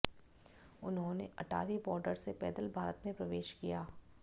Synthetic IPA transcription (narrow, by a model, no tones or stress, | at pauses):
ʊnɦõnḛɐʈʰa̰ːɾibɔːɾɖəɾsepɛ̰ːd̪əlbʱaːɾət̪mẽpɾɐʋeːʃkijaː